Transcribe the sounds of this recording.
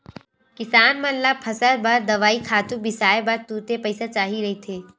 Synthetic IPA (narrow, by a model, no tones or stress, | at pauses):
kɪsaːnmɐllapʰɐsəɾbɐɾd̪ɐʋaːikʰaːt̪ũbɪsaːebɐɾt̪uːt̪epɐɪsat͡ʃaːɦiɾɐɦit̪ʰeː